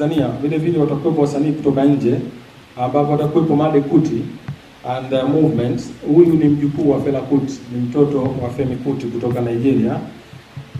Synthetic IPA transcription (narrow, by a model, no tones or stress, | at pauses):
aniavilɛvilɛwatakuwɛpɔwasaniːku̥tɔkaɲ̩d͡ʒɛ | ambapɔatakwɛpɔmaɗɛkuti | andɛmuvmɛnthujunim̩ʄukuːwafɛlakuti̥nim̩tɔtɔwafɛmikutikutɔkanaid͡ʒɛɾia